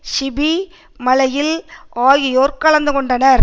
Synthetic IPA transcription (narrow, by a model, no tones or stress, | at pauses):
sɪbi | mɐlɐjɪlaːjɪjoːɾkɐɭɐnd̪ɯkɔɳɖɐnɐɾ